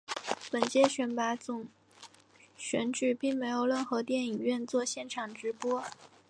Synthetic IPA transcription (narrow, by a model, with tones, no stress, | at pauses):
pə˨˩nt͡ɕjɛ˥ɕɥɛ˧˥npa˧˥t͡sʊ˨˩ŋ | ɕɥɛ˧˥nʈ͡ʂy˨˩pi˥˩ŋme˧˥ɪjo˨˩ʊlwə˥˩nxɤ˧˥t̪jɛ˥˩ni˨˩ŋɥɛ˥˧nt͡swɔ˥˧ɕjɛ˥˩nʈ͡ʂʰɑ˨˩ŋʈ͡ʂɻ̩˧˥pwɔ˥